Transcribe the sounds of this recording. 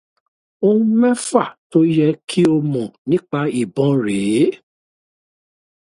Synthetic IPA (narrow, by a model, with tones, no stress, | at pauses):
õ˦mɛ̃˦fa˦˨to˦jɛ˧kʰi˦o˧mɔ̃˨nĩ˦k͡pa˧i˦˨bɔ̃˨˦ɾe˨˦